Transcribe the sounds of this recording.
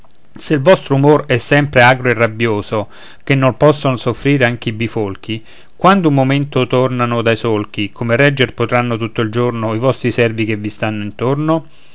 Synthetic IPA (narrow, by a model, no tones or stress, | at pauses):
selvɔst̪ɾoumorɛsːɛmpɾeaːɡɾoerːabːjoːzo | k̟enːolpɔsːonosofːɾiːɾeaŋk̟eibifolk̟ʰi | kwand̪oumːoment̪ot̪ornanod̪ajsolk̟ikʰomerɛd͡ʒːerpot̪ɾanːot̪ut̪ːoild͡ʒornoivɔst̪ɾisɛrvik̟evist̪anːoint̪orno